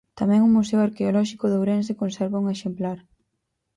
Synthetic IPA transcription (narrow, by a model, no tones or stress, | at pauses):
t̪amɛ̃ŋʊmusɛwaɾkeolɔʃikʊðowɾens̬ekonsɛɾβauŋeʃemplaɾ